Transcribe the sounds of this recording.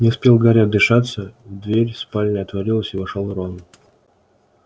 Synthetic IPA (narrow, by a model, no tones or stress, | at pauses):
nʲɪspʲelˠɡɐɾʲad̪ɪʂat̪səvd̪vʲeɾʲspalʲnəɐt̪vɐɾʲilˠəsʲɪvɐʂalˠɾonʊ